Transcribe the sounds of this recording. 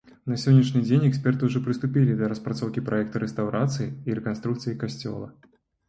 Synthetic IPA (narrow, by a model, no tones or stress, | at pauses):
nɐsʲɔnʲːiʂnʲɨd͡zʲenʲɛksʲpʲɛrt̪ɨuʐɔpɾɨst̪ʊpʲilʲid̪ɐɾɐspɾat̪sɔwkʲipɾʔajɛkt̪ɨɾɛst̪awɾat̪sɨjiiɾɛkanst̪ɾukt̪sɨjikasʲt͡sʲɔ̰lˠɐ̰